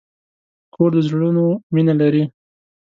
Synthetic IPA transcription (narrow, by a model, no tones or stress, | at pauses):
kʰoɾd̪əzɽunominalaɾi